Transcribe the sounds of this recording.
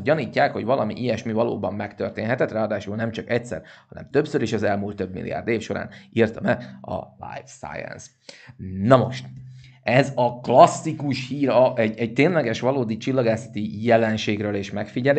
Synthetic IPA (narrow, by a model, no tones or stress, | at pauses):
ɟɒniːcːaːkho̞̰ɟvɒlʔɒmḭʔijɛʃmivɒlo̰ːbɒmːɛkt̪ø̰rt̪eːnɦɛt̪ɛt̪raːɒd̪aːʃulnɛmt͡ʃɒkɛc̚sɛ̰rhɒnɛ̰mt̪øpsøɾiʃɒzɛlmuːlt̪ːøbmḭlːḭja̰ːrd̪eːfʃo̞ɾa̰ːniːrt̪ɒmɛɒ̰la̰jfsa̰ːjɛ̰ns | nɒmo̞̰ʃt̪ | ɛzɒklɒsːikuʃhiːɾɒʔɛɟɛɟ̚t̪eːnlɛɡɛʃʋɒloːd̪it͡ʃilːɒɡaːsɒ̥t̪ijɛlɛnʃeːɡrøːleːʃmɛkfiɟɛl